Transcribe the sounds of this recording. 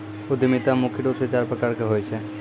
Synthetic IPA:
od̪imit̪amukʰiɖoset͡ɕaɾpɾɔkaɾkeɦojt͡ɕʰe

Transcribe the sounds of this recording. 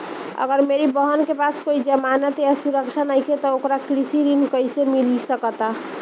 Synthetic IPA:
ə̰ɡəɾmeɾibəɦənkepaskoid͡ʒəmanət̪jasuɾəkt͡ʃʰanajkʰet̪ɔokɾakɾisiɾinkəjsemilisəkət̪a

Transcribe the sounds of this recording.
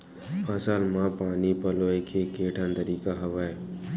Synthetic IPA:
asaːlmãːpaːnipəloːekʰekeːʈʰãnd̪əɾiːkaɦɐʋaːe

